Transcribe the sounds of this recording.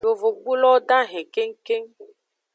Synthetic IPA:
o˨vo˨ku˦lɔ˦ɖã˦ɦɛ̃˨ke˦ŋ̩˦ke˦ŋ

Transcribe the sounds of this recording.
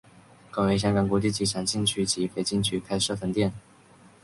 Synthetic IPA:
kə˥˩ŋwe˧˥ɪɕ̬jɑ˥ŋkɑ˨˩ŋkwɔ˧˥t͡ɕi˥˩t͡ɕi˧˥ʈ͡ʂʰa˨˩ŋɕi˥˧nt͡ɕʰy˥t͡ɕi˧˥fʰe˧˥ɪt͡ɕi˥˩nt͡ɕʰy˥kʰa˥ɪʂɤ˥˧˩fə˧˥nt̪jɛ˥˩n

